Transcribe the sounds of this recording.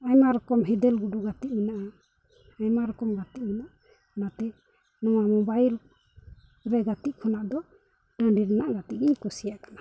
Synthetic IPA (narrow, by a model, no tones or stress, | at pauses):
ajmaɾɔkɔmɦɛd̪ɛlɡuɖuɡat̪iʔ̚minaʔa | ajmaɾɔkɔmɡat̪iʔ̚minaʔ | nat̪ɛ | nɔwamɔbajl | ɾɛɡat̪iʔ̚kʰɔnaʔd̪ɔ | ɖãɳɖiɾɛnaʔɡat̪iʔɛɲkɔsijaʔkḁnḁ